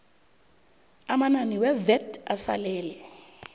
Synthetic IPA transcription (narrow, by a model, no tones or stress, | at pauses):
amananiwɛvɛda̰sa̰lɛːlɛ